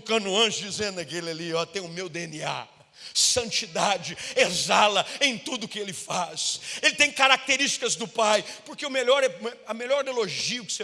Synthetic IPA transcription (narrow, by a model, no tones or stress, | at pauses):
kɐ̃nʊɐ̃ʃd͡ʒizẽnd̪ɐkelɪaliɔt̪ẽj̃ʊmewd̪eẽnia̰ | sɐ̃nt͡ʃid̪ad͡ʒɪezalɐẽj̃t̪ud̪ʊkɪelɪfaselɪt̪ẽj̃kaɾak̚t̪eɾist͡ʃi̥kɐzd̪ʊpajpʊɾkeʊmeʎɔɾɛɛɐmelɔɾeloʒiʊkɪ̥se